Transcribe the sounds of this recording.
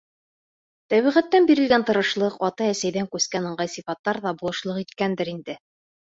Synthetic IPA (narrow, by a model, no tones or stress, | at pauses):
t̪æβiʁæt̪ːænbiɾɘ̆lɡænt̪ɤ̆ɾɤ̆ʃlˠɤqɒt̪ɑæsæjðæŋkʉskænɤ̆ɴɢɑjsifɑt̪ːɑɾðɑbulˠɤ̆ʃlˠɤqit̪kænd̪ɘɾind̪ɘ